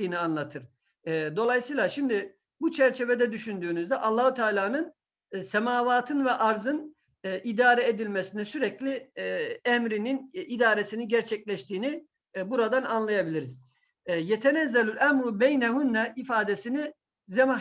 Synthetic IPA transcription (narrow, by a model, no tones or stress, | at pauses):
iːnianlˠat̪ʰɯɾ̥ | d̪o̞lˠajsɯːlˠaʃimd̪ɪ | but͡ʃʰɛɾt͡ʃʰevɛd̪ɛd̪yʃynd̪yːnyzd̪ɛʔɑlˠːaːhut̪ʰaːlʲaːnɯn | sɛmaːvaːt̪ʰɯnvɛʔaɾzɯn | ʔid̪aːɾɛed̪ilʲmesinɛsyɾɛclʲi | ɛmɾininid̪aːɾesiniɟæɾt͡ʃʰɛclʲɛʃt̪ʰiːni | buɾad̪ananlˠajabilʲiɾiz̥ | jɛt̪ʰɛnɛzːɛlʲylʲæmɾubɛjnɛɦunːɛifaːd̪esini | zɛma